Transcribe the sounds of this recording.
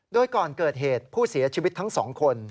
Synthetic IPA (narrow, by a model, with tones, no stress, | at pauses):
doː˧jkɔː˨˩nkɤː˨˩t̪̚ɦeː˨˩t̪̚pʰuː˥˩si˩˦ɐt͡ɕʰi˧wi˦˥t̪ʰːa˦˥ŋsɔ̰ː˩˦ŋkʰo˧n